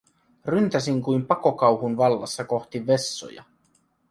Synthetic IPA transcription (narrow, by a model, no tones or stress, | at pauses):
rynt̪æsiŋkujmpɑko̞kɑwɦunʋɑlːɑ̰sːɑko̞xt̪iʋe̞sːo̰jɑ̰